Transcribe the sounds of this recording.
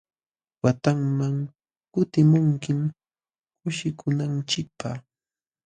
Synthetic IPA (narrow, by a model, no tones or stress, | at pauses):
wat̪aŋmaŋ | kʊt̪ɪmʊŋkɪm | kʊʃɪkʊnant͡ʃɪk̚pa